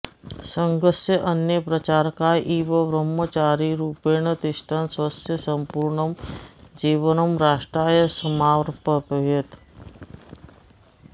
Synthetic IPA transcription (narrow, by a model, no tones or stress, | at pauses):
səŋɡəsjəʔɐnjəpɾɐt͡ʃaːɾkaːjʔiːʋəʋɾəmːət͡ʃaːɾiɾuːpeːɳət̪ɪʃʈʰənsʋɐsjəsəmpuːɾɳəmd͡ʒiːʋənəmɾaːʂʈɾaːjəsəmaːʋɾpəpəɦet̪